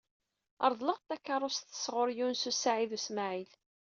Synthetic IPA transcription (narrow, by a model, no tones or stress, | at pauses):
ɑ̰ɾˤðˤləʁt̪ːækːɑɾˤːost̪ə̥sʁʊɾjunsusaʕiðusmaʕil